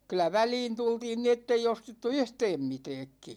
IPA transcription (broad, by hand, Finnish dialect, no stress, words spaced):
kylˑæ ʋæliːn tultiːn ni etːei ostetːu yhtɛːm mitɛːkːi